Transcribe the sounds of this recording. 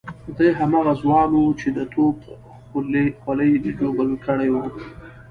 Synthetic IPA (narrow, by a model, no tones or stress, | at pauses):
d̪əjɦamɑɣazwɑnut͡ʃed̪ət̪ʰop | xʊlexwaləjd͡ʒobəlkəɽejwu